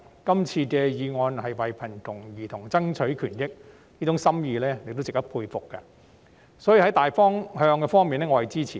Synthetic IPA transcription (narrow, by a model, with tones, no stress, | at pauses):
kɐ˥mt͡sʰiː˧kɛː˧jiː˨˧ŋɔː˧nhɐ˨jwɐ˨jpʰɐ˨˩nt̪ʊ˨˩ŋjiː˨t̪ʰʊ˨˩ŋt͡sɐ˥ŋt͡ʃʰɵ˨˥ɥkʰyː˨˩njɪ˥k̚ | niː˥t͡sʊ˨˥ŋsɐ˥mjiː˧lɛː˥ne˨˧t̪wt͡sɪ˨k̚t̪ɐ˥pʰuː˧jfʊ˨kːɐ̰˧ | sɔː˨˥ji˨˧hɐ˨˥jt̪aː˨jfɔː˥ŋhœː˧ŋkɛː˧fɔː˥ŋmiː˨nɛː˥ŋɔː˨˧hɐ˨jt͡siː˥t͡sʰiː˨